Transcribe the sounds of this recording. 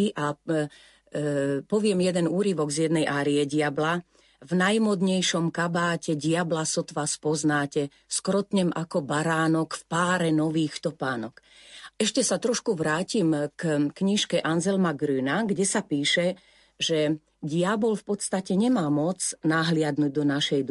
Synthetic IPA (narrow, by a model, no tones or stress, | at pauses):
ʔa | pɔʋɪɛmjɛd̪ɛnuːɾiʋɔɡzjɛd̪nɛjʔaːɾiɛɟɪabla | vnajmɔd̪ɲɛjʃɔmkabaːcɛɟɪablasɔt̪ʋaːspɔznaːcɛ | skɾɔt̪ɲɛmʔakɔbaɾaːnɔkfpaːɾɛnɔʋiːxt̪ɔpaːnɔk | ɛʃcɛsat̪ɾɔʃkuʋɾaːcimkkɲiʃkɛʔanzɛlmaɡɾyːnaɡɟɛsapiːʃɛ | ʒɛ | ɟɪabɔlfpɔt̪st̪acɛɲɛmaːmɔt͡snaɦlɪad̪nuɟ̚d̪ɔnaʃɛjd̪